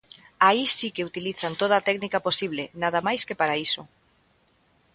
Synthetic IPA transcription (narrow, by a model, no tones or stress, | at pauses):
aisikeut̪iliθant̪oð̞aːt̪ɛknikaposiβ̞lenaðamajskepaɾaiso